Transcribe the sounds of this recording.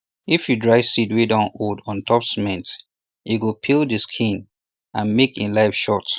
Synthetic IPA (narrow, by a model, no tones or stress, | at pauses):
ifjudɹaɪsidwedãʊ̃noldɔ̃ntʰɔpsmɛ̃nt | jiɡopʰildiskʰĩn | ãnmekĩnlaɪfʃɔt